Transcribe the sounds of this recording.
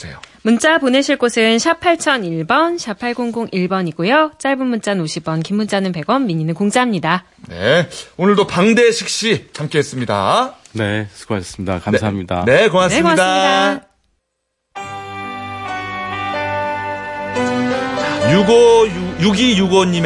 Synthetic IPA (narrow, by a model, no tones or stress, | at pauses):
sḛjomunt͡ɕ͈apone̞ɕʰiɭk͈osʰɯnɕʰapʰaɭt͡ɕʰʌniɭbʌnɕʰapʰaɭɡoŋɡoŋʔiɭbʌɲiɡujot͡ɕ͈aɭbɯnmunt͡ɕ͈anoɕʰibʌnkimːunt͡ɕ͈anɯnpe̞ɡʌnːiɲinɯnkoŋd͡ʑaɦamɲida | ne̞̰onɯɭdopaŋde̞ɕʰik̚ɕ͈it͡ɕʰamk͈eɦes͈ɯmɲida̰ne̞sʰɯ̥ɡoaɕʰʌs͈ɯ̥mɲidakamsʰaɦːmɲida̰nekoŋanemkoaidada | t͡ɕajuɡoujuɡijuɡʌɲːim